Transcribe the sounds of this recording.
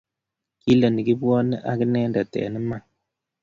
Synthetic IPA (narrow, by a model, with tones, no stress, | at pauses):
ki˦lə˨ni˨ki˦bwɔ˦nə˦ʔa̰˦ki˦nɛ˦nda˨tɛ̰˨nə˦ma˦˨ŋ